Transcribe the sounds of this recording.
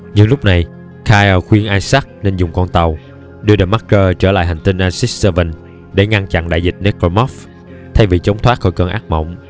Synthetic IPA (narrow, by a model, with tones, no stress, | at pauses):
ɲɨ˧ŋlʊ˦˥k͡p̚na˨˩j | kʰaː˧jʔəː˨˩xwi˧ənʔaː˧jsa˦˥k̚ne˧nzʊ˨˩ŋ͡mkɔ˧nt̪a˨˩w | ɗɨ˧ɗɨː˨˧˩ma˦˥k̚kəː˧t͡ɕəː˧˩la̰ː˧˨jɦha˨˩ŋ̟t̪i˧nʔaː˧nsi˦˥sə˧və˧˩n | ɗe˧˩ŋa˧nt͡ɕa̰˧˨ŋɗa̰ː˧˨jzï˨˩t̚ne˨˦˥ko˧mɔ˦˥f | t̪ʰa˧jvi˨˩t͡ɕə˨˦wŋ͡mt̪ʰwaː˦˥t̚xɔ˧˩jkəː˧˩nʔaː˦˥k̚mə̰˧˨wŋ͡m